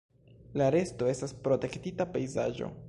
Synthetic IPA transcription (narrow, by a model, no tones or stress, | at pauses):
laɾe̞sto̞e̞staspɾo̞te̞ktitapejzaʒo̞̰